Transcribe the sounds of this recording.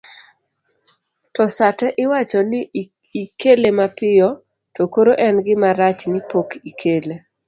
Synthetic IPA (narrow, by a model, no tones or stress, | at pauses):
tɔsatɛʔɪwat͡ʃɔnɪ | ikelemapɪjɔ | tokoɾoʔɛnɡɪmaɾat͡ʃnɪpokikʰele